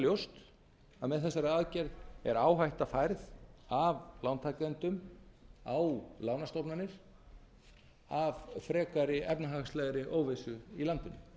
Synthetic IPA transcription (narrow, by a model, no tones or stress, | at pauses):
ljowst̪ | aðmɛðθɛsːaɾɪaːðcɛɾðɛɾaːwɦajht̪afajɾðavlawnt̪ʰajklɛnt̪ʏm | awlaːwnast̪owpnanːɪɾ̥ | avfɾɛːkaɾɪɛpnaɦaɣslɛɣɾɪʔoːwvesʏilant̪ɪnːɪ̰